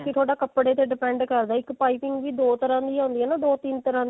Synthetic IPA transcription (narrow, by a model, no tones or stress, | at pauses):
kɪt̪ʰoːɽaːkəpɽeːt̪eːɖɪpɛ̃ːɳɖkəɾd̪aːɪkpaːipɪŋɡʋiːd̪oːt̪əɾãːd̪iːãʊ̃ːnd̪iːɛːnaːd̪oːt̪iːnt̪əɾãː